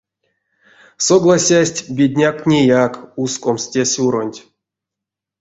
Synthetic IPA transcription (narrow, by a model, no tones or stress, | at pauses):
soɡlˠasʲasʲtʲbʲedʲnʲaknʲejakuskomstʲesʲuɾonʲtʲ